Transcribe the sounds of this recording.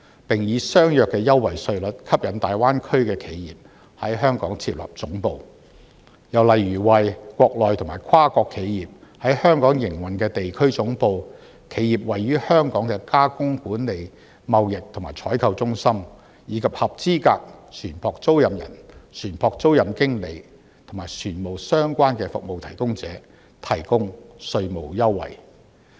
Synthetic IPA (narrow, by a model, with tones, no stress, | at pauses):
pɪ˨ŋjiː˨˧sœː˥ŋjœː˨kːɛː˧jɐ˥wːɐ˨˩jsɵ˧ɥlɵ˨˥t̚kʰɐ˥p̚jɐ˨˥nt̪aː˨jwaː˥nkʰɵ˥ɥkɛː˧kʰe˨˧jjiː˨p̚ | hɐ˨˥jɦœː˥ŋkɔ̰ː˨˥ŋt͡sʰiː˧˥p̚lɐ̰˨p̚t͡sʊ˨˥ŋpo˨˧w | jɐ˨˩wlɐ˨jɥyː˨˩wɐ˨jkʷɔː˧k̚lɔː˨˩jt̪ʰʊ˨˩ŋmaː˨˩jkʰwaː˥kɔː˧kʰːe˨˧jjiː˨p̚hɐ˨˥jhœː˥ŋkɔː˨˥ŋjɪ˨˩ŋwɐ˨˩nkɛː˧t̪e˨jkʰɵ˥ɥt͡sʊ˨˥ŋpo˧w | kʰe˨˥jjiː˨p̚wɐ˨jːyː˥hœː˥ŋkɔː˨˥ŋkɛ˧kaː˥kʊ˥ŋkuː˨˥nle˨˧j | mɐ˨wjɪ˨k̚t̪ʰʊ˨˩maː˨˩jt͡ʃʰɔː˨˥jkʰɐ˧wt͡sʊ˥ŋsɐ˥m | jiː˨˧kʰɐ˨p̚hɐ˨p̚t͡siː˥kaː˧k̚sʰyː˨˩npʰɔː˨˧k̚t͡so˥wjɐ˨mjɐ̰˨˩nsʰyː˨˩npʰɔː˨˧k̚t͡so˥wjɐ˨mkɪ˥ŋle˨˧j | t̪ʰʊ˨˩maː˨˩jsʰyː˨˩nmo˨wsœː˥ŋkʷaː˥nkɛː˧fʊ̰˨k̚mo˨wt̪ʰɐ˨˩jkʊ˥ŋt͡sɛː˨˥ | t̪ʰɐ˨˩jkʊ˥ŋsɵ˧ɥmo˨wjɐ˥wːɐ̰˨˩j